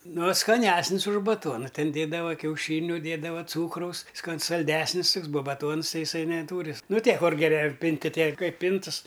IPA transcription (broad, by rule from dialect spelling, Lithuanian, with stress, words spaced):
ˈnoː skɐˈnʲæːsʲnʲɪs ʊʃ bɐˈtuɔnɐ ˈtʲɛn ˈdʲeːdɐʋɐ kʲɛʊˈʃʲiːnʲʊ ˈdʲiɛdɐʋɐ ˈt͡suːkrɐʊs skɐn sɐlʲˈdʲæːsʲnʲɪs ˈtʊks buɔ bɐˈtuɔns ˈtɐɪ ɪˈsɐɪ nʲɛˈtuːrʲɪ ˈnʊ ˈtʲiɛ ˈkʊr ɡʲɛˈrʲɛ ˈpʲɪnʲtʲɪ ˈtʲiɛ ˈkɐɪp ˈpʲɪntɨs